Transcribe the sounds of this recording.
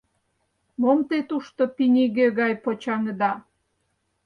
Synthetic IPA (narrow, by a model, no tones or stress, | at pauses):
momt̪et̪uʃt̪opinʲiɣeɣɑjpot͡ɕɑŋəd̪ɑ